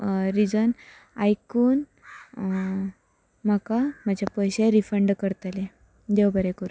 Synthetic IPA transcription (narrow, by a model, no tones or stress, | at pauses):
ɾid͡zən | ajkuːn | m̤akam̤ad͡ʑʱapəjɕeɾifəɳɖkəɾt̪ale | d̪ewbəɾekuɾu